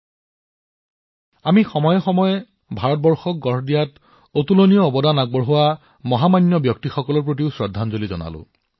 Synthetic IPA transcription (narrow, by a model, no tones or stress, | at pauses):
amixɔmɔjɔxɔmɔjɛ | bʱaɹɔt̚bɔɹxɔk̚ɡɔɹdijat | otulonijɔːbɔdanak̚bɔɹɦʊwa | mɔɦamanːjɔbjɔktixɔkɔlɔɹp̬ɹot̬iʊsɹɔdʱːanzolizɔna̰lʊ̰̃